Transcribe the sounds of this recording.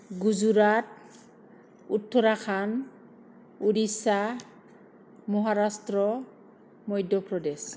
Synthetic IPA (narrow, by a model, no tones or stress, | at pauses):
ɡuzuɾat | utʰːɔɾakʰan | uɾisa | mɔɦaɾastɾɔ | mɔjdʱjɔpɾɔdes